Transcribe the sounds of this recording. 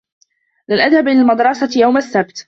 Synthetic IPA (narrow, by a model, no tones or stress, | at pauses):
lanʔaðhabʔɪlaːlmɑd̪ɾˤɑsɑjawmasːab̚t̪